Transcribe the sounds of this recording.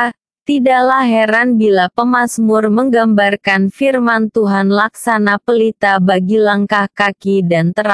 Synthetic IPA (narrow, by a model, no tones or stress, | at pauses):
t̪idalahɦɛɾanbilapəmasmʊrməŋɡambarkanfirmant̪uɦanlaksanapəlit̪abaɡilaŋkahkakidant̪əɾa